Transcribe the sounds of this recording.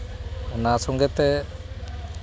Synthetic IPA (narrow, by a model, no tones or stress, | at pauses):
nasɔŋɡɛt̪ɛ